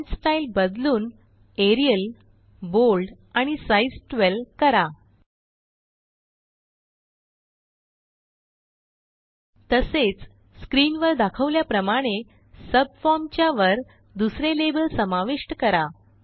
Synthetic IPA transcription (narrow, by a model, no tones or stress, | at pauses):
sʈailbəd̪luːn | eɾiəl | bolɖ | aɽ̃isaisʈʋelkəɾa | t̪əset͡s | skɾiːnʋəɾd̪akʰəʋljapɾəmaɽ̃e | səb̚fɔɾmt͡ɕjaʋəɾ | d̪usɾelebəlsəmaʋiʂʈkəɾa